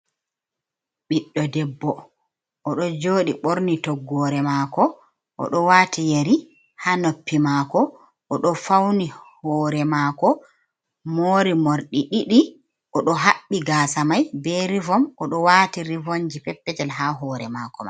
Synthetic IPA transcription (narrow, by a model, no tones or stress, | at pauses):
ɓiɗːɔdɛbːɔ | ʔɔɗɔd͡ʒoːɗiɓoɾnitɔɡːɔɾɛmaːkɔ | ʔɔ̰ɗɔwaːtʰijeɾi | hanopːimaːkɔ | ʔɔɗɔfawnihɔːɾɛmaːkɔ | moːɾimoɾɗiɗiɗi | ʔɔɗɔɦaɓːiɡaːsamajbɛɾivɔmʔɔɗɔwaːtiɾivoɲd͡ʒipɛpːɛd͡ʒɛlɦaɦɔːɾɛmakɔma̰n